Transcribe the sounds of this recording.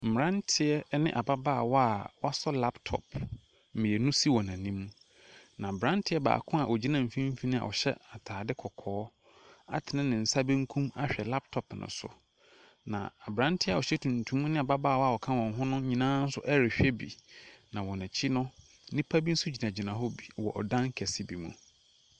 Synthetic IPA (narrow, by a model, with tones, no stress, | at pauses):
m̩˨m˨ɾã˦ntʰɪ˨ɛ˦nɪ̃˦ʔa˨ba˦ba˦˨wɔ˦a˨wa˦sɔ˦la˦ptʰɔ̰˨pʰ | m̩˨mĩ˨ɛ˨nũ˦si˦wɔ˨nã˨nĩ˦m̃˦ | nã˨bɾã˦n˦tʰɪ˦ɛ˦ba̰ː˨kʰʊ̃˦a˨ʔɔ˨d͡ʑi˦nã˦˨m̩˨˦fĩ˦m̩˦fi˦nɪ̃˦a̰˨ʔɔ̰˨ɕɛ̰˦a˨tʰaː˨dɪ˦kʰɔ˨kʰɔː˦ | a̰˨tʰɪ˨nɪ̃˦nɪ̃˨n̩˨sa˦bɛ̃˦ŋ̩˦kʰũ˦ma̰˦ɕᶣɛ˨la˦p̚tʰɔ˨pnʊ̰̃˨sʊ̰˨ | nã̰˨a˨bɾã˦ntʰɪ˦a˨ɔ˨ɕɛ˦tʰũ˨ntʰũ˦m̃˦nɪ̃˦a˨ba˦ba˦˨wɔ˦a˨ɔ˨kʰã˦wɔ̃˨ŋ˨ɦʊ̃˦nʊ̃˦ɲĩ˨nãː˦n̩˦sʊ˦ʔɛ˦ɾɪ˨ɕᶣɛ˦bḭ˨nã˨wɔ˨nã˨t͡ɕʰi˦nʊ̃˦ | nɪ̃˦pʰa˦bi˦n̩˦sʊ˦d͡ʑi˨nã˨d͡ʑi˨nã˨ɦɔ˦bi˨wɔ̰˨ʔɔ̰˨dã˦ŋ˦kʰɛ˨sɪ˦bi˨mṵ̃˨